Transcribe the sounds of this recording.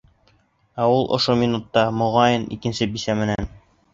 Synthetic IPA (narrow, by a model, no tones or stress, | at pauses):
æulˠʔŏ̰ʃomʲinut̪ːɑmŏʁɑjɤnḭkɘ̆nsɘbisæmɘ̆næn